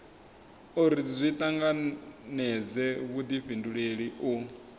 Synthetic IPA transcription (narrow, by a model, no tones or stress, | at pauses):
uɾizʷit̪ʼaŋɡanɛd͡zɛβud̪iɸinduɺeɺiʔu